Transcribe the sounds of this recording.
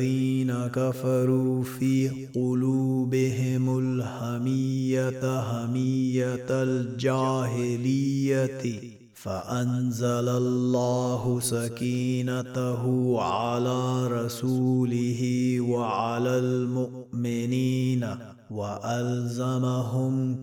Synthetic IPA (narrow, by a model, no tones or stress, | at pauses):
iːnakafɑɾuːfiːqʊluːbɪɦɪmʊlhamijat̪ɦamijat̪ld͡ʒaːɦɪlijːat̪ɪ | faʔanzalalːaːɦʊsakiːnat̪aɦʊʕalaːɾˤɑsuːlɪɦiwaʕalaːlmʊ | mɪniːna | waʔalzamaɦʊm